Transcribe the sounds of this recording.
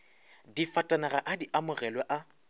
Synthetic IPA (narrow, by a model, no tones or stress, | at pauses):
difatʼanaɣaʔadiʔamʊɣɛlwɛʔa